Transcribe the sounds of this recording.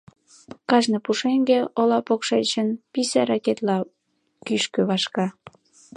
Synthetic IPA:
kɑʒnɤpuʃeŋɡeolɑpokʃet͡ɕənpisæɾɑket̪lɑ | kyʃkøβɑʃkɑ

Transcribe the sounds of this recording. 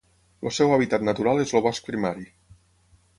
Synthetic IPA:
losɛwaβit̪at̪nat̪uɾalˠezloβɔsk̚pɾimaɾi

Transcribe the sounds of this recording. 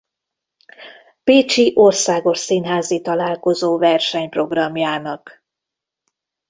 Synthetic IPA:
peːt͡ʃiʔorsaːɡo̞ʃsinɦaːzit̪ɒlaːlko̞zoːvɛrʃɛɲpro̞ɡrɒmjaːnɒk

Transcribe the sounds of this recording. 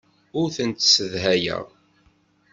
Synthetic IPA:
ʊɾθənt̪səðɦæjə̰ʁ

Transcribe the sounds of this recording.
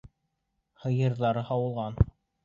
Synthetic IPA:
hɤ̆jɤ̆ɾðɑɾɤhɑwɤ̆lˠʁɑn

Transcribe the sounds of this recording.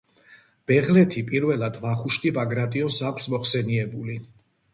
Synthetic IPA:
b̥ɛʁlɛt̪ʰipʼiɾvɛlˠad̪vaχuʃt̪ʼibaɡɾat̪ʼiɔnsakʰsmɔχsɛniɛbuli

